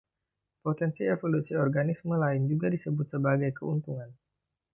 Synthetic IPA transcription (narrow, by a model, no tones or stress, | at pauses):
pot̪ɛnsievolusiɔrɡanisməlaɪnd͡ʒuɡadisəbʊt̪̚səbaɡajkəunt̪uŋan